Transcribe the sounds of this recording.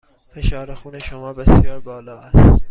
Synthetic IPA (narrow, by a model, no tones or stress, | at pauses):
feʃɒːɾexuːneʃomɒːbesjɒːɾbɒːlɒːæs